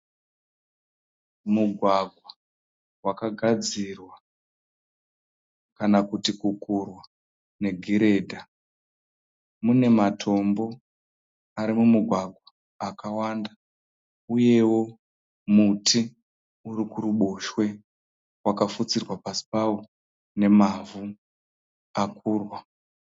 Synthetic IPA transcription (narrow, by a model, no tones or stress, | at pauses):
muɡʱwaɡʱwa | wakaɡʱad͡zirwa | kanakutikukurwa | ne̞ɡʱiɾe̞ːdʱa | mune̞matʰo̞mbo̞ | aɾimumuɡʱwaɡʱwaː | kawanda | uje̞wo̞ | mutʰi | uɾikuɾuɓoʃwe̞ | wakafut͡sirwapasi̥pawo | ne̞mavu | akʰuːrwa